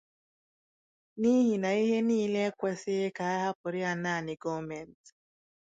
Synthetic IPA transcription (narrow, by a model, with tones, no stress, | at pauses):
ni˦ɦi˨na˨i˦ɦɛ˦ni˦lɛ˦kwɛ˦se˦ka˨a˦ha˦pɔ˨ɾi˦a˦˨na˦˨ni˨ɡɔ˦mɛ˨nt